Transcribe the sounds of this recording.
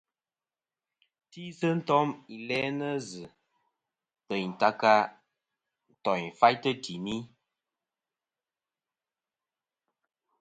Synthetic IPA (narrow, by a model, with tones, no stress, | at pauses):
ti˦sə˦n̩˦tɔ˦mi˨lɛ˦nə˦zɨ˨ | pə˨jn̩˨ta˦ka˦ | n̩˨tɔ˨jfa˦jtə˦ti˨mi˦